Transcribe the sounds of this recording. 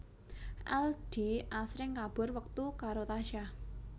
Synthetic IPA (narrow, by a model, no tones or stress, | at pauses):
ʔɛld̥iʔasɾɪŋkab̥ɔ̤rwək̚t̪ukaɾot̪aʃa